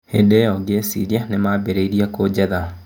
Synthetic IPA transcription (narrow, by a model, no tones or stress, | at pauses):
hedeɔɡesḭɾianemabeɾeiɾiakod͡ʑɛða